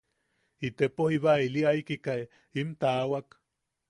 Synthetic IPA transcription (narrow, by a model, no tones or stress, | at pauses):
it̪epohiβailiaikika | int̪awak